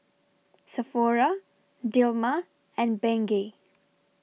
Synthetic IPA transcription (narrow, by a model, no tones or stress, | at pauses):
səfɔɾa | ɖilma | ɛ̃nbɛ̃ŋɡe